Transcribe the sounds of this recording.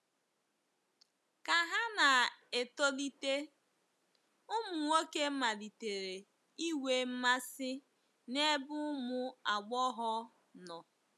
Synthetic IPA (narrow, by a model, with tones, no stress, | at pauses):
ka˨ɦa˦na˨e˨to˦li˦te˦ | ʊ˦mʊ˨ŋo˦ke˦ma˨li˨te˨ɾe˨ | i˦we˦m̩˦ma˦sɪ˦ | ne˦bʊ˦ʊ˦mʊ˦a˨ɡ͡bɔ˦ɦɔ˦ | nɔ˨